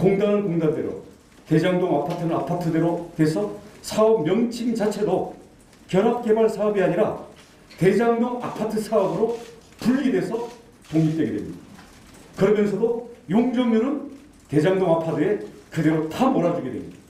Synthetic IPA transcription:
koŋdanɯnkoŋdande̞̰ɾo̰ | te̞d͡ʑaŋdoŋapʰatʰɯnɯɾapʰatʰɯdeɾotwe̞sʰʌsʰaʌp̚mjʌŋt͡ɕʰiŋt͡ɕat͡ɕʰe̞do | kjʌɾap̚k͈e̞baɭsʰaʌbiaɲiɾa | ke̞d͡ʑaŋdoŋa̰pʰatʰɯsʰaʌbɯɾo | puʎːidwe̞sʰʌ | t̪oŋɲip̚tweɡe̞dwḛmɲḭd̥aa | kɯɾʌmjʌnsʰʌdojoŋd͡ʑʌŋjuɾɯn | te̞d͡ʑaŋdoŋapʰadɯe̞kɯde̞ɾotamoɾad͡ʑuɡe̞dwemɲid̥a

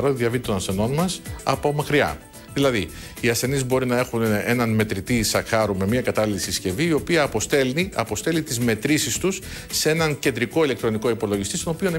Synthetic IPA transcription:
ɾoððjɐvit̪o̞nɐsθe̞no̞nmɐsɐ̰po̞mɐkɾiɐ̰ | ðilɐði | iɐsθe̞nizbo̞ɾinɐe̞xune̞nɐnme̞t̪ɾit̪isɐxɐɾume̞miɐkɐt̪ɐlilsisce̞viːo̞piɐpost̪eiɐpo̞st̪e̞lit̪izme̞t̪ɾisist̪usː | ee̞nɐŋce̞nd̪ɾiko̞ilekt̪ɾo̞niko̞ipo̞loʝist̪ist̪o̞no̞pio̞nɐ

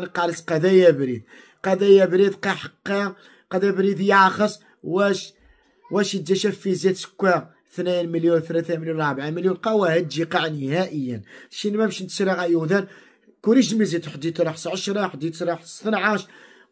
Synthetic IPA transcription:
nqɑlət̪qɑd̪æjæbɾid̪̚ | qɑd̪æjæbɾid̪qɑħəqːɑ | qɑd̪æbɾid̪jʕxəsˤ | wæʃ | wæʃjəd̪ːæʃæfːizæt̪sə̥kːæ | θnænməljunθlæθæməljunɾˤbʕaməljunqɑwæhəd̪ʒiqɑʕnihæʔəjːənʃinmæmʃnt̪ə̥sɾiɣæjud̪æn | kuɾiʃ̬mizit̪ħd̪it̪ɾˤoħsʕəʃɾˤɑħd̪it̪ɾˤoħsənʕaʃ

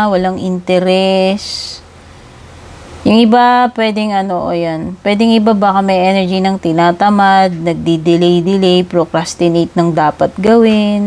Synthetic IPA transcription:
wɐlaŋʔɪnt̪ɛɾɛs | jʊŋʔɪbapwɛd̪ɪŋɐnoʔo̰jonpwɛd̪ɪŋɪbabakɐmɐjʔɛnɛɹd͡ʒinɐŋt̪ɪnaːt̪ɐmad̪̚nɐɡ̚d̪id̪ɪlejd̪ɪlɛjpɾokɾast̪ɪnejt̪̚nɐŋd̪aːpɐt̪̚ɡɐwɪn

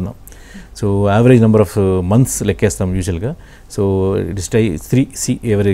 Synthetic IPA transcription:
nɐ | soːaːʋɐɾed͡ʒnɐmbɐɾɔːfmɐnt̪slekːeːst̪ɐmjuːʃɐlɡɐ | soːḭʈisʈɐjt̪ʰɾiːsiːeʋɐɾe

